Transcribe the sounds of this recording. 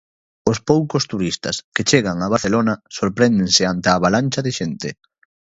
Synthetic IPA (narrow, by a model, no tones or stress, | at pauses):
ʊspowkʊst̪uɾist̪ɐ̰sket͡ʃeɣaŋaβaθelonɐsoɾpɾɛnd̪eŋsɪant̪ɪaβalanʲt͡ʃɐðɪʃent̪ɪ